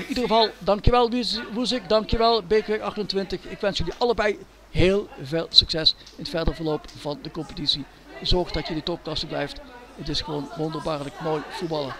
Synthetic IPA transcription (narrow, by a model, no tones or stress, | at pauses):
ɪnidərəvɑlˠdɑŋkjəʋɛlˠʋʋus̬ɪkdɑŋkjəʋɛlˠbeːkʋeɑχtəntʋɪntəxɪkʋɛnsjɵliʔɑləbɛj | ɦeːlˠveːlˠsyksɛs | ɪnətfɛɹdəɹvəɹlowpv̥ɑndəkɔmpə̥titsi | zɔɹxdɑtjədətɔp̚klɑsəblɛjft | ətɪsχəʋownʋɔndəɹbaːɹləkmoːjfut̚bɑlˠəɹ